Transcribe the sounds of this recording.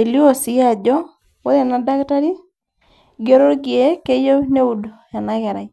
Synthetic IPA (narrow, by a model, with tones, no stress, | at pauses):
e˨li˦o˦˨sɪ˨˦a˨d͡ʒɔ˦ | wo˦ðe˨na˨da˦kta˦ɾi˦ | ɡe˦ɾo˦ɾɡje˨˦ke˦jo˦ne˦u˨do˨ | ɛ˨na˦ɣɛ˨ɾa˨i˨